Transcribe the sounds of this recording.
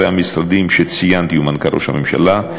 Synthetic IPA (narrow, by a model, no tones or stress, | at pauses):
eamisɾad̪imʃet͡sijant̪iumankaɾʔo̞̰ʃhamemʃa̰la